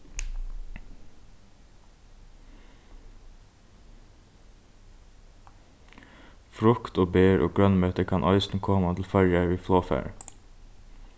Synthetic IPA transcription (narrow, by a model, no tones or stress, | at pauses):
fɹʊkt̪oːbeːɹʔo̰ːɡɹœnmœʏt̪əkʰɑːnʔœʏsn̩kʰoːmat̪ʰɪl̩fœɹjæʋiːfloːfæ̰ːɹ